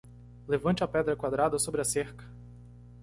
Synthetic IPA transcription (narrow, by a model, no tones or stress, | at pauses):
levɐ̃t͡ʃɪɐpɛd̪ɾɐkwad̪ɾad̪ɐsobɾɪɐseɾkɐ̥